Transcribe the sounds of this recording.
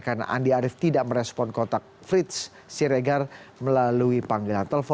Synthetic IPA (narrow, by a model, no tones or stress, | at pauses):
kanʔa̰ndiaɾɪft̪idaʔməɾɛspɔnkɔt̪ak̚fɾit̪̚s | siɾeɡarməlaluipaŋɡelant̪elfɔ